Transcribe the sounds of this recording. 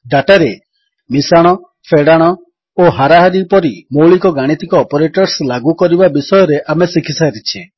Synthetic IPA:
ɖaʈaɾe | misaɽ̃ɔ | fʰeɽaɽ̃ɔ | oɦaɾaɦaɾipɔɾimoɭikɔɡaɽ̃it̪ikɔːpɔɾeʈɔɾslaɡukɔɾibabisɔjɔɾeʔamesikʰisaɾit͡ʃʰe

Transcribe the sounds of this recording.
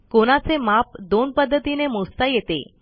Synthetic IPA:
koɽ̃at͡semap̚d̪onpəd̪ʱːət̪inemost̪ajet̪ḛ

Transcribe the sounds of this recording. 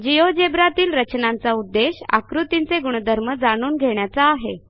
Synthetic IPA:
d͡ʑijod͡ʑebɾat̪iːlɾət͡ɕnant͡saud̪ːeɕa̰kɾut̪int͡seɡuɽ̃əd̪ʱəɾməd͡zaɽ̃uːnɡʱeɳ̃jat͡saːɦe

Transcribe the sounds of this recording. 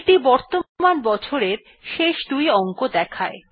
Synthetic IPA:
ʈibɔɾt̪omanbɔt͡ɕʰoɾeɾ | ʃeʃd̪ujɔŋkod̪ɛkʰae

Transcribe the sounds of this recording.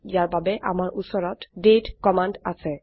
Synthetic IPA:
ijaɹbabɛʔa̰maɹʔusɔɹɔtdetkɔmanda̰sɛ

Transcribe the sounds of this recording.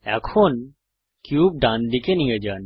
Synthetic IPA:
ɛ̰kʰon | kjuːb̚ɖãnd̪ikenĩəd͡ʒan

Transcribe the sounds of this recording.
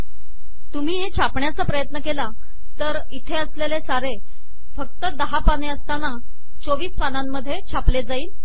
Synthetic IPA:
t̪um̤iːɦet͡ɕʰapɳjat͡sapɾəjət̪nəkela | t̪əɾ | it̪ʰeəslelesaɾe | fək̚t̪əd̪əɦapaneəst̪ana | t͡soʋiːspanamːəd̪ʱːjet͡ɕʰapled͡zaiːl

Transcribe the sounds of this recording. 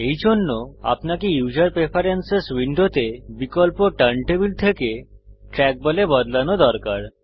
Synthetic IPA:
ejd͡ʑʱonːoa̰pnakejud͡ʑaɾpɾepʰaɾenseswiɳɖot̪ebikolpoʈəɳʈebilt̪ʰekeʈɾɛk̚bɔlebɔd̪lanod̪ɔɾkaɾ

